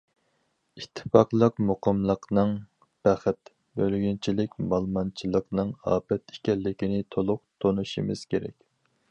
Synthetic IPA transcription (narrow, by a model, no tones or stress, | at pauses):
it̪ʰːɨ̥pɑqlˠəqmoqʰəmlˠəqnɨŋ | b̥æχɪt̪ | bølɡʲynt͡ʃʰilɪkʲmɑlˠmɑnt͡ʃʰilˠəqnɨŋɑ̰ːpɛt̪e̥kʲɛlːɪkʲinɪt̪ʰolˠʊq̚t̪ʰonuʃimɨ̰z̥kʲeɾɛ̰kʲ